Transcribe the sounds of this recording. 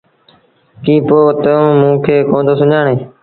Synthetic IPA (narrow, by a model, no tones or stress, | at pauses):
kĩːpoːt̪əõːmũːkʰeːkõːnd̪oːsʊɲaːɳeː